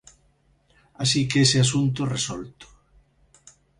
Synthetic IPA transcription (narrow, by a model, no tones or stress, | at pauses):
asikeeseasunt̪oresɔlt̪ʊ̥